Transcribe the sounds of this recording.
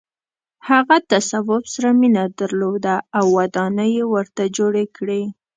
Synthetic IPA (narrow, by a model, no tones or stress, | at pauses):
haɣat̪asawʊbsaɾaminad̪aɾlod̪aːwːad̪ɑnəjewəɾt̪ad͡ʒoɽekɽi